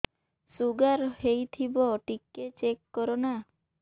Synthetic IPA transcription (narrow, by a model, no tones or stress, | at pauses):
suɡaɾhejt̪ʰibɔʈikːet͡ʃekːɔɾɔna